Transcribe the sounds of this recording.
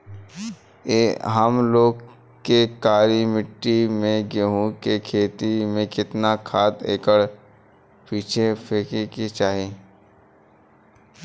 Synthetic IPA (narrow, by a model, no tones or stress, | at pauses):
eɦəmloːɡ | kekaːɾimɪʈːimẽɡeɦũkekʰeːt̪imẽkɪt̪nakʰaːt̪ḛːkəɽ | piːt͡ʃʰepʰeːkeket͡ʃaːɦeː